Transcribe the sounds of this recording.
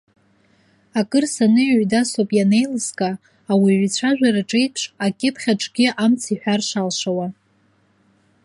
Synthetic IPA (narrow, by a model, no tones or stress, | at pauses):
akʼɨrsanɨjʕdasopʼjane̞jlɨskʼaː | wiʕʷit͡ɕʷʰaʒᶣʷaɾaʈ͡ʂʼejpʰʂakʲʼɪpʰχʲaʈ͡ʂʼɡʲɪʔamt͡sʰiħʷᶣarʂalʂawa